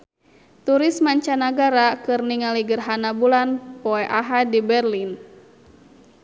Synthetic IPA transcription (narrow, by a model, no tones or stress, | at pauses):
t̪uɾɪsmaɲt͡ʃanaɡaɾakɨrniŋaliɡərɦanabulanpɔɛʔaɦadibɛrlin